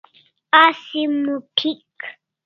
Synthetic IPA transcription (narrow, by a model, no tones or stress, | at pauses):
asimupʰik